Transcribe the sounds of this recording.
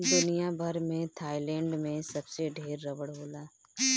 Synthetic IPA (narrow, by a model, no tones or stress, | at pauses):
d̪ʊnijabʱɐɾmẽt̪ʰaːilɛ̃ːɳɖmẽsɐbseɖʱeːɾːɐʋəɽɦoːlaː